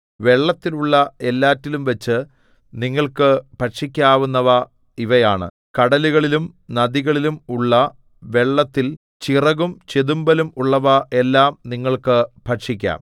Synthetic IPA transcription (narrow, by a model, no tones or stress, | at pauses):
ʋe̞ɭːɐt̪ːiluɭːɐe̞lːaːtːilumʋɐt͡ɕːɨ | niŋːɐɭkɨpɐʈʂikʲːaːʋunːɐʋɐ | iʋɐjaːɳɨ̰ | kɐɽɐluɣɐɭilumnɐðiɣɐɭilumuɭːɐ | ʋe̞ɭːɐt̪ːil | t͡ɕirɐɣumt͡ɕe̞ðumbɐlumuɭːɐʋɐʔe̞lːaːmniŋːɐɭkɨpɐʈʂikʲːa̰ːm